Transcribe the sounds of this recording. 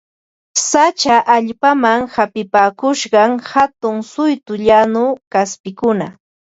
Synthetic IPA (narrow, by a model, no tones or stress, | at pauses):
sat͡ʃaʔaʎpamaŋhapɪpaːkʊʃɢɑŋhat̪ʊŋsʊjt̪ʊʎanʊkaspɪkʊna